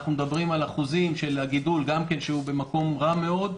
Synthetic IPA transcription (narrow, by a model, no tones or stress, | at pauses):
χnumed̪abʁimalaχuzimʃe̞lhaɡid̪ulɡamke̞nʃeube̞mako̞mʁame̞o̞d̪